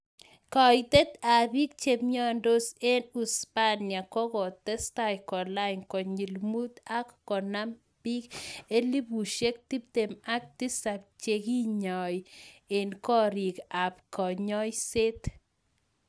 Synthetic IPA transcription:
kɔ˨jt̪e˦t̪a˨bi˦k̚t͡ʃe˨mɲɔ˦ndo˦se˦nu˨spa˦nja˨kɔ˦kɔ˨t̪ɛ˦sta˨jkɔ˨la˦ɪ˨nkɔ˨ɲi˨lmu˦t̪a˦kːɔ˨na˦m | bi˦ke˦li˦bu˨ʃe˦k̚t̪i˦p̚t̪e˨ma˦k̚t̪i˦sa˨p̚t͡ʃe˨ki˦ɲɔ˨je˨nkɔ˦ɾi˨ka˨pkɔ˨ɲɔ˦jse˦t̪

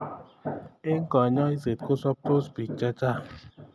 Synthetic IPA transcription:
e˦ŋ̩˦kɔ˨ɲɔ˦i˦se˨t̚ko˦sɔ˦p̚t̪o˦spi˨k̚t͡ʃa˦t͡ʃa˦˨

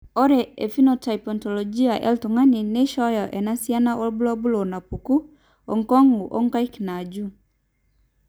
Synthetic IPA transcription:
ɔ˦ɾɛ˨ɛ˨finɔtaipɔntɔlɔd͡ʒi˦a˨ʔɛ̰˦ltu˨ŋa˦ni˨ne˦ʃɔjɔ˨ʔɛ˨nasia˦na˦ɔ˦bu˦lɔ˦bu˦lɔ˨na˨puku˦ | ɔ̰˨ŋkɔ˦ŋu˨ʔɔ̰˦ŋka˦ikna˨d͡ʒu˦

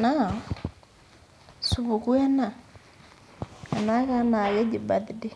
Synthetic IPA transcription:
na˦ | su˨βu˨ku˦ɛ˦na˨ | a˨na˦ka˦na˨ɣɛ˦ɟi˨ba˨ði˨di˦

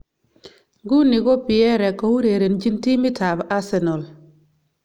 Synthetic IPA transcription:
ɡu˦ni˨ɡɔ˦pi˨ɛ˦ɾɛ˨kɔ˨˦wu˦ɾe˨ɾe˨nd͡ʒi˦nti˦mi˦ta˨ba˦sɛ˨nɔ˨l

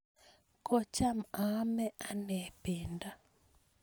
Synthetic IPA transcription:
kɔ˦t͡ʃa˦ma˦mɛ˦ʔa˦nɛpinda˦

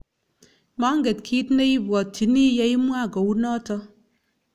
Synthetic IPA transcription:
ma˨˦ŋ̩˦ɡe˨tkʰi˦tne˦i˦bʷɔ˨tːi˨ni˦ja˦i˦mʷ˦a˦˨ɡo˨wu˦nɔ˦tɔ˦

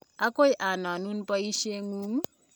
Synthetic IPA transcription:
a˦ko˦jʔa˨na˨nu˦npɔ˦i˦ʃe˦ŋu˦ŋ

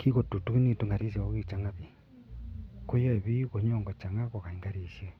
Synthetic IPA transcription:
ki˦ɣo˨tu˨tu˦ki˦ni˦˨tu˦ŋɡa˨ɾi˦sa˨o˦ɣi˦˨t͡ʃa˦ŋa˦βi˨ | ko˦jɔ˦e˨βi˦ko˨ɲɔ˨ŋɡɔ˨t͡ʃa˨ŋa˦ko˨ka˨i˨ŋɡa˦ɾiː˨ʃje˦

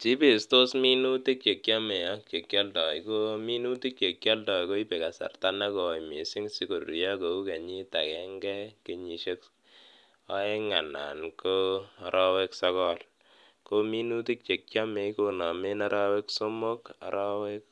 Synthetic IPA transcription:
t͡ʃi˦pe˨sto˦smi˦nu˦ti˦k̚t͡ʃe˨kja˦me˨ja˦kt͡ʃe˨kjɔ˦ltɔ˨i˨ko˦mi˦nu˦ti˦k̚t͡ʃe˨kja˦ldɔ˨jko˦i˦pe˨ka˨sa̰˨rta˦na˦ko˨i˨mi˨si˦ŋsi˦ko˨ɾi˨ja˦ko˨u˦ke˨ɲi˦ta˨kɛ˦ŋɡɛ˦ke˨ɲi˨ʃe˦k | a˦e˦ŋa˨na̰˨nko˦a˨ɾʔɔ˦we˦ksɔkɔ˦l | ko˦mi˦nu˦ti˦k̚t͡ʃe˨k̚t͡ʃa˦me˨ko˨na˨me˦na˦ɾʔa˦we˦kso˦mo˦ka̰˨ɾʔɔ˦we˦k

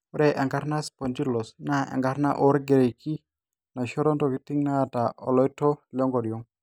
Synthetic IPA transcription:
ɾɛ˨ʔa˨ŋɡa˦ɾna˦spɔ˨nd͡ʒi˦lɔ˨sna˦ɛ̰˨ŋɡa˨˦ɾna˦ʔɔ˦ɾɡe˨ɾe˨ki˦ | na˨ʃɔ˦ɾɔ˦ntɔ˨ki˦tɪ˦ŋna˦ta˨ʔɔ̰˨lɔ˦jtɔ˦lɔ˦ŋɡɔ˨djɔ˦ŋ

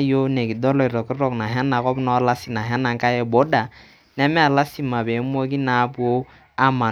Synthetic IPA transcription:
jo˦ne˨ki˨dɔ˦lɔ˨i˨ɾɔ˨kɾɔ˨kna˨ɦa˦na˨kɔ˦bnɔ˦la˦si˦na˨ɦa˦na˨ŋ˦ka˦jɛ˨bo˦da˨ | nɛ˦mɛ˦a˨la˦si˦ma˨be˨˦mo˦k̬i˦na˨˦bu˨˦o˦ | a˦ma˨

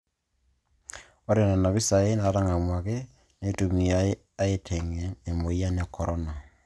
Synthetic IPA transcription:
o˦ɾe˦˨na˨na˨βi˦sa˨e˦na˨˦ɾa˦ŋa˨mwa˨ke˦ | ne˦tu˨mi˨a˨˦ | a˦e˦tʰe˨ŋe˨ne˨mo˨ja˦ne˨kʰɔ˨ɾɔ˦na˨

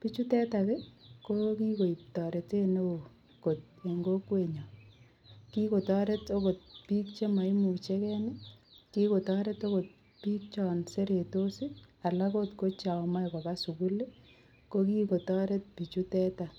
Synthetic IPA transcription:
pi˦t͡ʃu˦tɛ˦ta˨ke˦koki˦ko˨i˨p̚tɔ˨ɾe˨te˦ne˦o | ko˨t̚ | e˨ŋɡo˦kwe˨ɲa˨ | ki˦ko˨tɔ˦ɾeto˦ko˨t̚piː˦k̚t͡ʃe˦ma˨i˦mu˨t͡ʃe˦kɛ˦nɪki˦ko˨tɔ˦ɾe˦to˦ko˨t̚ | piː˦k̚t͡ʃɔ˨nse˦ɾe˨to˦si˦a˨la˦kotko˦t͡ʃa˨ma˦jkɔ˨kasu˨ku˦le˦ | ko˦ki˦ko˨tɔ˦ɾe˦t̚pi˨t͡ʃu˦tɛ˦ta˨

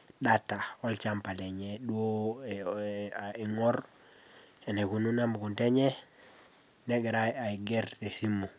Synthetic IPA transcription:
ɗata˨o˦lt͡ʃampa˨le˨ɲeɗu˦o˦ | i˨ŋo˦ɾ | e˨ne˨ku˨nu˦na˦mu˨ku˨nte˦ɲe˦ | neɡe˨ɾaja˨i˨ɡe˦ɾte˨si˦mːu˨

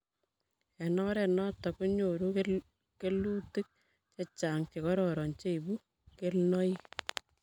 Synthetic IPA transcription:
ɛ˨nɔ˦ɾɛ˨nɔ˦tɔ˨ko˦ɲo˨ɾu˦ | ke˦lu˦ti˦k̚ | t͡ʃe˦t͡ʃa˨ŋt͡ʃe˨kɔ˦ɾɔɾɔ˨nt͡ʃe˦i˨bu˦ | ke˦lnɔ˦i˦

